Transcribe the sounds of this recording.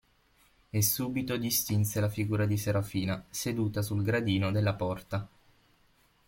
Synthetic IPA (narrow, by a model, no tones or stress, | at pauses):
esːuːbit̪od̪ist̪inselafiɡuːɾad̪iseɾafiːnased̪uːt̪asulɡɾad̪iːnod̪elːapɔrt̪a